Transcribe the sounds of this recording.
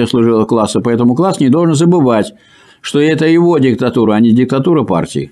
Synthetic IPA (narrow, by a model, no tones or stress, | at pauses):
əslˠʊʐɨlˠəklˠasːəpɐɛt̪əmʊklˠasnʲɪd̪o̞lˠʐɨnzəbɨvatʲ | ʂt̪oɛt̪əjɪvo̞dʲɪkt̪ɐt̪uɾəɐnʲɪdʲɪk̚t̪ɐt̪uɾəpa̰rtʲɪ̰ɪ̰